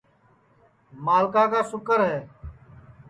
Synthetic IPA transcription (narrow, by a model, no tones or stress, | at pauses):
maːlkaːkaːsʊkəɾɦɛː